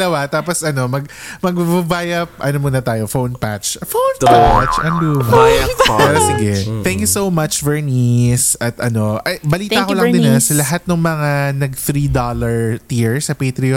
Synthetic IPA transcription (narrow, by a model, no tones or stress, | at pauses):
lɐwat̪aːposɐno̞mɐɡ̚mɐɡ̚bbɐbaːjɐp̚ɐ̰nomonɐt̪aːjofownpa̰tt͡ʃfownpat͡ʃʔɐnluːmɐpɛːɾosɪɡɛt̪ɛ̃ŋkjusowmɐt͡ʃvɛɹnisɐt̪ʔɐno̞ʔɐbɐliːakolɐŋd̪ɪnːɐsɐlɐɦat̪̚nɐŋmɐŋanɐɡθɾid̪olɐɹt̪iɹsɐpeːt̪ɾɪo